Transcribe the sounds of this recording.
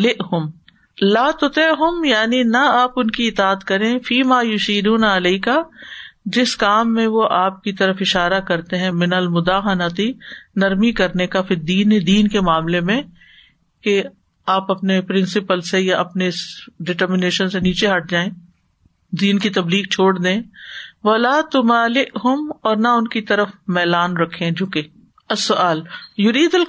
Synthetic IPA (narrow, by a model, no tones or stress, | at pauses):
lɪʔɦʊm | laːt̪ʊt̪eʔɦʊmjaːninaaːpʊnkiɪt̪aːət̪kɐɾẽfiːmaːjʊʃiːd̪uːnaɪleɪka | d͡ʒɪskaːmːẽʋoʔaːp̚kit̪ɐɾəfɪʃaːɾakɐɾt̪eɦɛ̃mɪnɐlmʊd̪aːɦɐnət̪inɐɾmikɐɾnekafid̪iːnd̪iːnkemaːmlemẽ | ke | aːpɐpnepɾɪ̃nsɪpəlsejaʔɐpneɪsɖɪʈəɾmɪneːʃənseniːt͡ʃeɦɐʈ̚ʰd͡ʒaːẽː | d̪iːnkit̪ɐbliːɡ̚t͡ʃʰoːɽd̪ẽːʋɐlaːt̪ʊmaːlɪʔɦʊmɔːɾnaʊnkit̪ɐɾəfmɛːlaːnɾɐkʰːẽd͡ʒʊːke | ɐsːʊaːljʊɾiːd̪ɐl